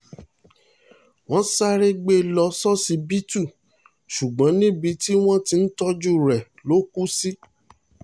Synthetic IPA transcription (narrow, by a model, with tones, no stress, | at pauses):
w̃ɔ̃˦sa˦ɾe˦ɡ͡be˦lɔ˧sɔ˦si˨˧bi˦tu˦˨ | ʃu˨ɡ͡bɔ̃˨˦nĩ˦bi˧ti˦w̃ɔ̃˦ti˧n̩˦tɔ˦d͡ʒu˦ɾɛ˨ | lo˨˦ku˦si˦